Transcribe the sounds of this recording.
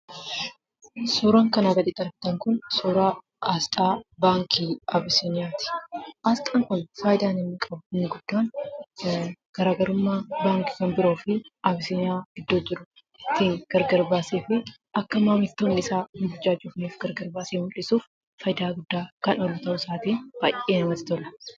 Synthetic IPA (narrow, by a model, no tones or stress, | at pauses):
suːɾɐŋkɐnaːɡɐd̪ɪt̪ʼɐɾb̚t̪ɐŋkʊnsuːɾaː | ʔast̪ʼaːbaːŋkʰiɐbɪsiɲaːt̪ɪ̥ʔaːst̪ʼaːŋkʊnfaːjɪd̪aːnɪnːɪkʼɐbʊɪnːɪɡʊd̪̥ːaːn | ɡ̥ɐɾaːɡɐɾʊmːaːbaːŋkɪ̥kɐmbɪɾo̞ːfɪʔɐbɪsɪɲaːɡ̥ɪd̪ːoːd͡ʒɪɾʊ | ɪt̪ːiːŋɡ̥ɐɾɡɐɾbaːseːfɪ | ʔɐkːɐmaːmɪt̪ːoːnːɪsaːhɪbʊd͡ʒːaːd͡ʒʊfniːfɡɐɾɡɐɾbaːseːʊlɪsuːfː | ɐjd̪aːɡʊd̪ːaːkɐnɔlːɐt̪ɐʔʊsaːt̪iːnb̥aːjʔeːnɐmɐt̪ɪ̥t̪ɔlɐ